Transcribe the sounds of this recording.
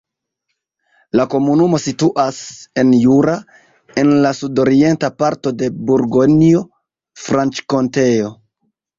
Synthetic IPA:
lako̞munumo̞situʔase̞njuɾa | e̞nlasudo̞ɾie̞ntapaɾto̞de̞buɾɡonio | fɾant͡ʃko̞nte̞o̞

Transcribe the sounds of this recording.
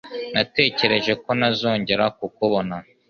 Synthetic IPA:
nate̞ːce̞ɾe̞ʒe̞ko̞nazo̞ːɲɟe̞ɾak̚ukuβo̞na

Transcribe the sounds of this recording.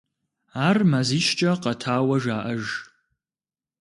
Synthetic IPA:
aːrmaziːʃt͡ʃʼɐqɐtʰaːwɐʒaːʔɐʒ

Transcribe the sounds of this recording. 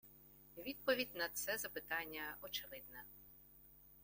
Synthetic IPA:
ʋʲid̪̚pɔʋʲidʲnɐt̪sɛzɐpɪt̪ɑnʲːɐɔt͡ʃeʋɪd̪nɐ

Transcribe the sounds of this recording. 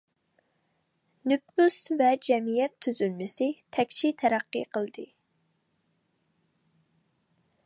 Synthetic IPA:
nypusvɛd͡ʒɛmijɛt̪ʰːyzylmɪsɪt̪ʰɛkʲt͡ʃʰit̪ʰɛɾæqːɨ̰qʰəlˠd̪ɨ

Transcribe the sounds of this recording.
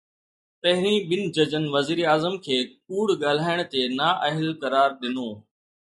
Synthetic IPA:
pɐɦɪɾĩɓɪnɪ̆d͡ʑɐd͡ʑənɪ̆ʋɐziːɾiaːzəmkʰeːk̚uːɽɠaːl̤aːɪɽ̃t̪enaʔɐɦɪlkɐɾaːɾɗɪnoː

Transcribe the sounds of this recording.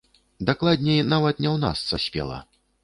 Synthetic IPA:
d̪aklˠad̪ʲnʲɛjnavɐt̪̚nʲɛwna̰st̪sɐsʲpʲɛ̰lˠa̰

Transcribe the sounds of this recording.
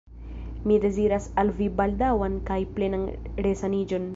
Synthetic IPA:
mid̪e̞ziɾasalvibald̪awankajplenanɾesanid͡ʒon

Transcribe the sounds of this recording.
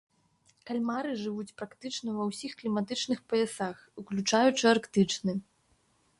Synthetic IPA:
kalʲmaɾɨʐɨvut͡sʲpɾakt̪ɨt͡ʂnɐvɐwsʲixklʲimat̪ɨt͡ʂn̪ɨxpɐɛsaxuklʲut͡ʂajut͡ʂɨarkt̪ɨt͡ʂnɨ

